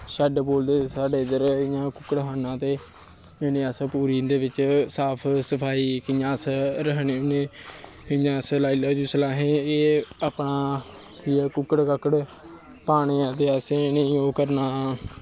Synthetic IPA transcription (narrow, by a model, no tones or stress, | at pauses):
ʃɛːɖboːld̪eːsaːɖeːd̪əɾɪjãːkʊkəɽɦaːnãːt̪eː | enẽːaːsəpuːɾiːd̪eːʋɪt͡ʃsaːpʰsəpʰaːiːkɪjãːsɾəɦɳeːoneː | ɪjãːslaːilaːd͡ʒuːsəlaːɦẽːeːaːpɳaː | iaːkʊkːəɽkəkəɽ | paːɳ̃iːãːt̪eːaseːnəĩːõːkəɾnaː